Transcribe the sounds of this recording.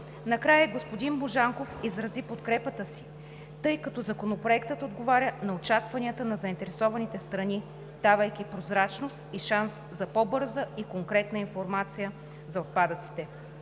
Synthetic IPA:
nɐkɾajəɡospod̪inmoʒaŋkofizɾɐzipot̪kɾɛpət̪əsi̥ | t̪ɤjkɐt̪ɔzɐkonopɾoɛkt̪ət̪od̪ɡovaɾʲənɐot͡ʃakvɐniət̪ənɐzɐint̪ɛɾɛsɔvɐnit̪ɛst̪ɾɐni | d̪̥avəjkʲipɾozɾat͡ʃnost̪iʃanszɐpɔbɤɾzəikoŋkɾɛt̪nəinfoɾmat̪sijə | zɐot̪̚pad̪ət̪si̥t̪ɛ

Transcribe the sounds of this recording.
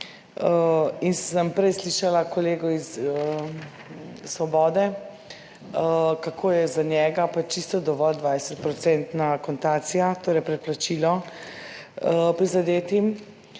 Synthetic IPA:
inssəmpɾɛjsliʃalakɔleːɡɔisə | sʋɔbɔːd̪ɛ | kakʰoːjɛzanjɛɡapat͡ʃist̪ɔd̪ɔʋɔld̪ʋajsɛt̪̚pɾɔt̪sɛnt̪nakɔnt̪at̪sijat̪oːɾɛjpɾɛt̪̚plat͡ʃilɔ | əpɾizad̪eːt̪im

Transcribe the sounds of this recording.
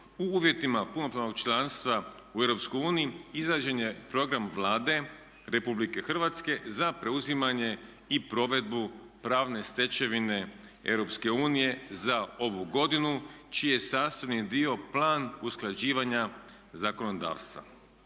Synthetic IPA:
uuːʋje̞t̪imapuno̞pɾano̞ɡt͡ʃlˠanst̪ʋa | ueɾo̞psko̞juːnijiizaːd͡ʑenjepɾo̞ɡɾamʋlˠaːd̪e̞ | ɾe̞publike̞xr̩ʋat̪ske̞zapɾe̞uzimaɲe̞ | ipɾo̞ʋe̞d̪̚bu | pɾaːʋne̞st̪e̞t͡ʃe̞ʋine̞ḛʋɾo̞pske̞uːnije̞zao̞ʋuɡo̞d̪inut͡ʃiejesaːst̪aʋnid̪io̞plˠaːnusklˠad͡ʑiːʋaɲa | zako̞no̞d̪a̰ːʋst̪ʋa̰

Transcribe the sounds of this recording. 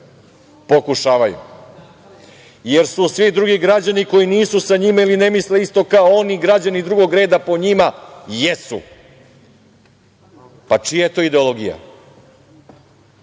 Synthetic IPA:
po̞kuʃaːʋajṵ | jeɾsusʋid̪ɾuɡiɡɾad͡ʑaniko̞jiniːsusaɲimailinemisleist̪o̞kaooniɡɾad͡ʑanid̪ɾuɡo̞ɡɾe̞ːd̪apo̞ɲimajesṵ | pat͡ʂijajet̪o̞id̪eolo̞ɡḭja̰

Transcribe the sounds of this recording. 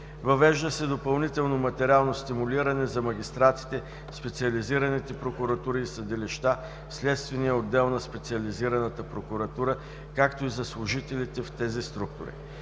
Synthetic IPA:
vɐvɛʒd̪əsɛd̪opɐlˠnit̪ɛlˠnomɐt̪ɛɾʲalˠnost̪imʊliɾɐnɛzɐmɐɡʲist̪ɾat̪si̥t̪ɛ | spɛt̪siɐliziɾɐnit̪ɛpɾokʊɾɐt̪uɾiːsɐd̪ɛliʃt̪a | fslɛt̪st̪vɛnijəod̪ːɛlˠnɐspɛt̪siɐliziɾɐnət̪əpɾokʊɾɐt̪uɾə | kakt̪oizɐslˠʊʒit̪ɛlit̪ɛft̪ɛzist̪ɾuk̚t̪ʊɾḭ

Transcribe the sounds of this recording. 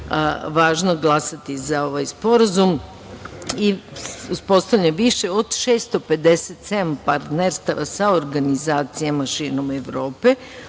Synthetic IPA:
ʋaːʒnoɡlˠasat̪izao̞ʋajspo̞ɾazum | iuspo̞st̪aʋʎeʋiʃeo̞d̪ʃeːst̪ope̞d̪e̞set̪sed̪ampaɾt̪neɾst̪aʋasaoɾɡanizaːt̪sijamaʃiːɾno̞meʋɾo̞ːpe̞

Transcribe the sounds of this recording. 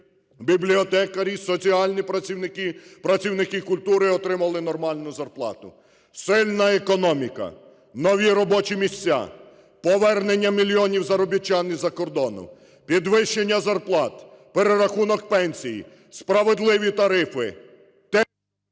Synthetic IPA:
bʲiblʲiɔt̪ɛkɐɾʲisɔt͡sʲiɑlʲnʲipɐɪkɪpɾɐt͡sʲiwnɪkɪkʊlʲt̪uɾɪɔt̪ɾɪmɐlˠɪn̪ɔrmɑlʲnʊzɐrplˠɑ̰t̪ʊ̰ | sɪlʲnɐekɔnɔmʲikɐ̰ | nɔʋʲiɾɔbɔt͡ʃimʲisʲt͡sʲːa̰ | pɔʋɛrnenʲːɐmʲilʲiɔnʲiwzɐɾɔbʲit͡ʃːɑnizɐkɔrd̪ɔnʊ̰ | pʲid̪ʋɪʃːenʲːɐzɐrplˠɑt̪ | peɾeɾɐxunɔkpɛnʲsʲijḭ | spɾɐʋed̪lˠɪʋʲit̪ɐɾɪfɪ̰ | t̪ɛ

